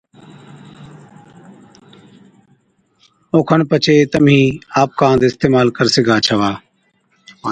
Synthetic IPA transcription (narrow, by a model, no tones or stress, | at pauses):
oːkʰənpət͡ʃʰeːt̪əmĩːaːp̚kãːd̪ɪst̪eːmaːlkəɾsɪɡʱaːt͡ʃʰəʋaː